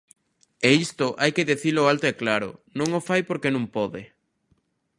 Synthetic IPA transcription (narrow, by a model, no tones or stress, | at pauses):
eist̪ʊʔajkeðeθiloːalt̪oɛklaɾʊ̰nõŋofajpoɾkenõŋpɔðɪ